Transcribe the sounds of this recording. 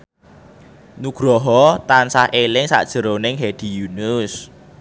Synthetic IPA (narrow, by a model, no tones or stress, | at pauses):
nuɡ̥ɾɔɦɔt̪ansahʔelɪŋsa̰ʔd̥ʒ̥ə̤ɾonɪŋɦed̪̥i̤junʊs